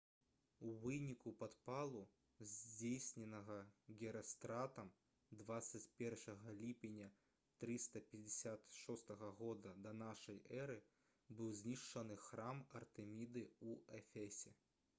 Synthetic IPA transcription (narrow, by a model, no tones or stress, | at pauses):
uvɨnʲikupat̪palˠu | zʲd͡zʲejsʲnʲɛnɐɣɐɣʲɛɾɐst̪ɾat̪ɐm | d̪vat̪sːɐt͡sʲpʲɛrʂɐɣɐlʲipʲɪnʲɐ | t̪ɾɨst̪ɐpʲɛd͡zʲɪsʲat̪ʂɔst̪ɐɣɐɣɔd̪ɐd̪ɐnaʂɐjʔɛɾɨ | bɨwzʲnʲiʂt͡ʂɐnɨxɾamɐrt̪ɨmʲid̪ɨuɛfʲɛsʲɛ